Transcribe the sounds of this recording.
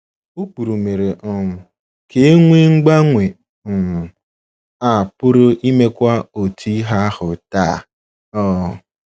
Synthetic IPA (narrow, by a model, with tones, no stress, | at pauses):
u˦k͡pu˨ɾu˨me˨ɾe˨ɔ˨mʊ˨ | ke˦ŋʷe˦ŋ̩˦ɡ͡ba˦ŋʷe˨ | m̩˨ | a˨pʊ˦ɾʊ˦ʔi˦me˦kʷa˦o˨tʰi˦i˦ɦa˦hʊ˨ta˦˨ | ɔː˦˨